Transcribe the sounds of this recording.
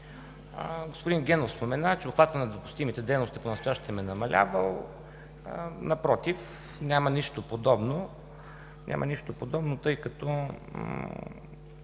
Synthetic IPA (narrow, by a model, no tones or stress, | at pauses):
ɡospʊd̪inɡʲɛnofspomɛnat͡ʃɛoxvat̪ənɐd̪opʊ̥st̪imit̪ɛd̪ɛjnost̪iponɐst̪ʊjaʃt̪i̥t̪ɛmɛnɐmɐlʲa̰vəlˠ | nɐpɾɔt̪if | nʲamɐniʃt̪opod̪ɔbno | nʲʔa̰mʔɐ̰niʃt̪opod̪ɔbnot̪ɤjkɐt̪ɔ